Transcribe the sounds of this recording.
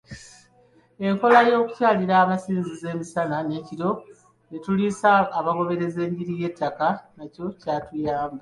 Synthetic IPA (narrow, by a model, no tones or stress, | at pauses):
e̞ŋko̞lajo̞ːku̥caːliɾaːmasiːnzize̞ːmisanane̞ːciɾo̞ | netulisaːβaɡo̞βe̞ɾe̞ze̞ːɲɟiɾije̞tːakanaco̞caːtujaːmba